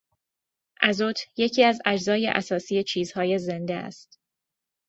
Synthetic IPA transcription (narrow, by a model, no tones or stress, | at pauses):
ʔæzot̪ʰje̞cʰiːæzæd͡ʒzɒːjḛʔæsɒːsijet͡ʃʰiːz̥hɒːje̞zend̪eæ̰st̪